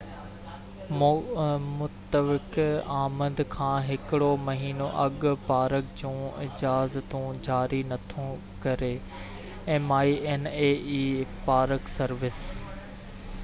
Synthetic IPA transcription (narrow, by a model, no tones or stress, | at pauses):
m | mʊt̪əʋɪkaːmənd̪kʰãːɦɪkɪɽomɐɦiːnoʔɐɠpaːɾəkd͡ʑũːɪd͡ʑaːzt̪ũd͡ʑaːɾinɐt̪ʰũ | kɐɾe | ɛ̃ːmaːieneːiːpaːɾəksɐɾʋɪs